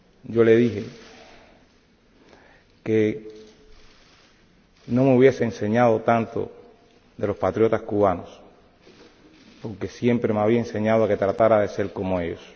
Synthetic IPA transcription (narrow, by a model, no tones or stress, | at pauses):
ɟ͡ʝo̞le̞ðiɦe | ke | nõ̞meuβje̞se̞ːnse̞ɲað̞o̞t̪ant̪o̞̰ | ðe̞lo̞spat̪ɾjo̞t̪askuβano̞s | po̞ɾke̞sje̞mpɾe̞meaβiaense̞ɲaðoake̞t̪ɾat̪aɾaðe̞se̞lko̞mo̞e̞ʝo̞̰s